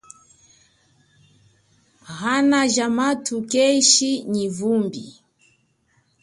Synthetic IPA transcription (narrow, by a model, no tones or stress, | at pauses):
ɣanaʒamatʰukɛiʃiɲivumbḭ